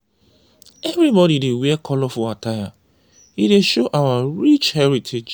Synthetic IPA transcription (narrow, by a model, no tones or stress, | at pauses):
ɛvɾibɔɾidewekʰɔlɔfʊataja | ideʃoʔawaɾit͡ʃhɛɾitʰed͡ʒ